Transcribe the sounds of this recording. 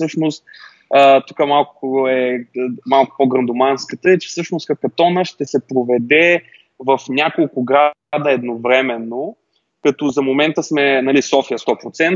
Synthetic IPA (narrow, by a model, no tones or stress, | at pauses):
sɤʃnost̪ | ət̪ukəmalˠkʊɛmalˠkʊ̥poɡɾɐ̃nd̪omanskət̪əɛt͡ʃɛ̥fsɤʃnoskɐkɐt̪ɔnəʃt̪ɛsɛpɾovɛd̪ɛ | vɐfnʲakolˠkʊɡɾad̪əɛd̪novɾɛmɛnːo | kɐt̪ɔzɐmomɛnt̪əsmɛnɐlisɔfijəst̪ɔpɾot̪sɛn